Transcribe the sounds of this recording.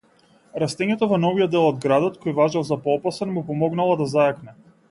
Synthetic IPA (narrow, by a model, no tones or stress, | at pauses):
ɾast̪ɛɲɛt̪ovɔnɔvijɔd̪ːɛlˠɔd̪ɡɾad̪ɔt̪kɔjvaʒalˠzapɔpasɛnmupɔmɔɡnalˠɔd̪azajaknɛ